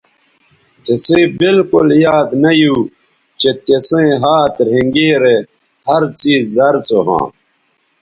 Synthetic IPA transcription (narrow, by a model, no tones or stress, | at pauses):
t̪esẽːbilkuljaːd̪nɐju | t͡ɕet̪esẽːɦaːt̪ɾ̤ẽŋɡeːɾe | hɐɾt͡siːzːɐɾt͡soɦã̰ː